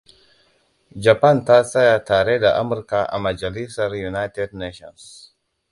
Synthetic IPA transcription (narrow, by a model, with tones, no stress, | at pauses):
d͡ʒa˨pa˦nta˦sa˦ja˨taː˨ɾe˦da˨ʔa˦mu˨ɾka˨ʔa̰˨ma˨d͡ʒa˨li˦sa˨ɾju˨na˦jte˦dne˦ʃɔ̰˨ns